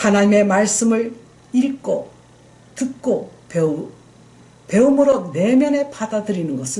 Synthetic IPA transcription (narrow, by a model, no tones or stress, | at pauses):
kʰanaimemaisɨmɯi | iɾikːo | t̪ʰɯkːope | pʰeɯmoɾod̪eːmenepʰat̪at̪ɯɾinɯɡas